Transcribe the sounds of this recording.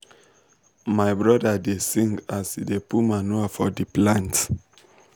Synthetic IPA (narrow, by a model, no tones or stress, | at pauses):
maɪbɹɔdadesĩŋɡasidepumanuafɔdiplãnt